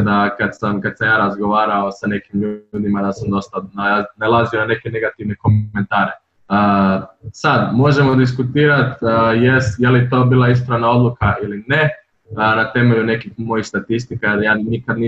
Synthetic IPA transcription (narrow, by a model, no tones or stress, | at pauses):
d̪akad̪samkad̪samjaːɾazɡo̞ʋaːɾaosane̞kimʎuuːd̪imad̪asamd̪o̞st̪ananalˠazionane̞kene̞ɡat̪iʋne̞ko̞me̞nt̪aːɾe | əːsad̪mo̞ʒe̞mo̞d̪iskut̪iːɾat̪ːjesjelit̪o̞ːbiːlˠais̬pɾanao̞d̪lˠukailine | nat̪e̞me̞ʎune̞kixmo̞jixst̪at̪ist̪ikaad̪jaːnikad̪ni